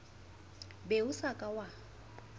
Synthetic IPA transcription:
beʊsakʼawa

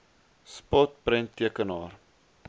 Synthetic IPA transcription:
spɔt̚prəntːiəkənɑːr

